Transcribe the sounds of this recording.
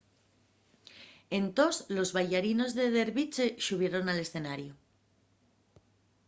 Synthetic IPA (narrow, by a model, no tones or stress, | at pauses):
e̞nt̪o̞slo̞zβaʎaɾino̞zðe̞ðe̞ɾβit͡ʃe̞ʃuβ̞je̞ɾo̞nale̞sθe̞naɾjo